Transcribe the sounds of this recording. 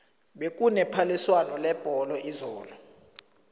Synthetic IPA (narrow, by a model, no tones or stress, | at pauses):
ɓek̬ʼunɛpʰaliswanɔlɛb̥ʱɔlɔʔizɔːlɔ